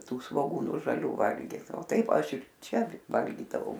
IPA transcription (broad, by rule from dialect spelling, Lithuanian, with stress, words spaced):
ˈtuː sʋoːˈɡuːnʊ ʒɐˈlʲuː ˈʋɐlʲɡʲɪt oː ˈtɐɪp ˈɐʃ ɪr ˈt͡ʃʲɛ ˈʋɐlʲɡʲiːdɐʋɐʊ